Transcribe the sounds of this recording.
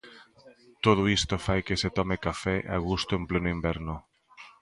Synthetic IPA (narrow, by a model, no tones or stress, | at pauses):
t̪oð̞ʊist̪ʊfajkeset̪ɔmekafɛʔaɣ̞ust̪ʊemplenʊimbɛɾnʊ